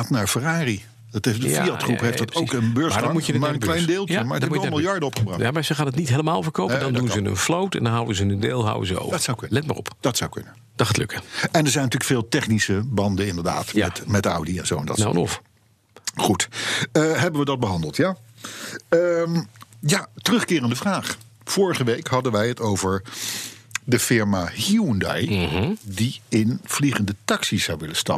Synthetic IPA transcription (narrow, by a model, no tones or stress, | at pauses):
aːtnaːɹfəraːri | tefdəfiɑtχrṵpɦejfdtowkənbøɹmadmuədŋklɛjndeːlˠtːmaɹdmumɪlˠjɑɹdəɔpχəbrɑjamasʋəχaːndətnitɦeləmaːlˠvəɹkowpədɑndunzənə̰nflowtɛ̰ndɑnɦʌwəzənəndeːlˠɦʌ̰wə̰zəo̰wvswklɛtma̰ːrɔ̰pd̥ɑtsawkɵ̰nə | d̥ɑtχaːtlø̰kəɛndəɹzɛjnɑtyːləkfeːlˠtɛχnisəbɑndəɪndəɹda̰ːtja̰mɛtʌ̰wdiɛ̰nzo̰wɛndɑ̰nɔ̰f | χutəɦɛbənʋədɑd̚bəɦɑndəlˠtja | əmjatərɵχkɪːrəndəvraːχ | fʊːɹəχəʋejkɦɑdənʋɛjɦətowvəɹ | dəfɪɹmahiundɑ̰jdiɪnv̥liχəndətɑksisʌwʋɪləstɑ̰